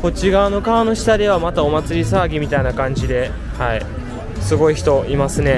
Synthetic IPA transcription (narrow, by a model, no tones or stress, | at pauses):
ko̞t͡ɕiɡaːno̞kaːno̞ɕi̥t̪ad̪e̞β̞amat̪ao̞mat͡sɨɾʲisaːɡʲimʲit̪ainakãɲ̟d͡ʑid̪e̞ | hai | sɨɡo̞içi̥t̪o̞imasɨne̞